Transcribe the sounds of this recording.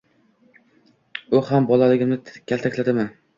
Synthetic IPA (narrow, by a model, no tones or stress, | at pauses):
ʊhambɒlalɪɡʲɪmnɪkʲʰalt̪ʰakʲlad̪ɪman